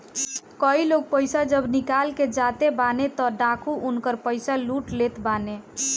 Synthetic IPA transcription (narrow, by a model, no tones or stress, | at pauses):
kəiloɡ̚pəɪsad͡ʒəbnikalked͡ʒat̪ebanet̪ɔɖakʰuʔunkəɾpəɪsaluʈlet̪bane